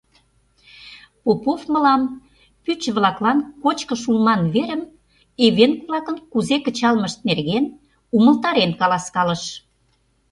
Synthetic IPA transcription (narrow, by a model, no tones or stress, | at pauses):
popofmə̆lɑm | pyt͡ɕβlɑklɑnkot͡ɕkəʃulmɑnβeɾəm | eβenkβlɑkənkuzekə̆t͡ɕɑlməʃt̪̚nerɣen | uməlt̪ɑɾenkɑlɑskɑləʃ